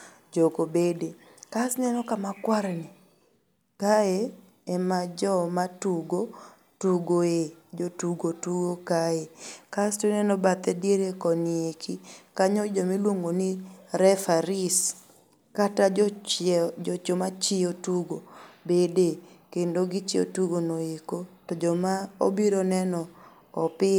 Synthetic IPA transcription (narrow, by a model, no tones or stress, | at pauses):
d͡ʒokobede | kasnɛnɔkamakwaɾɛni | kae | ɛmad͡ʒɔmatuɡo | tuɡoed͡ʒotuɡotuɡokaekastonɛnɔbat̪ɛdeɾekɔniekʰikaɲɔd͡ʒomilwoŋɡoniɾɛfaɾis | katad͡ʒɔt͡ʃomat͡ʃɪotuɡobedekendoɡit͡ʃio̰tuɡonoekotɔd͡ʒɔmao̰biɾonɛnɔː | pɪ